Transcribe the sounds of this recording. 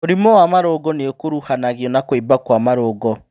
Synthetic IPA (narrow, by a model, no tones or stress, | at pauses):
oɾimɔwamaɾoɡɔneokoɾuhanaɣiɔnakwebakwamaɾoːɡɔ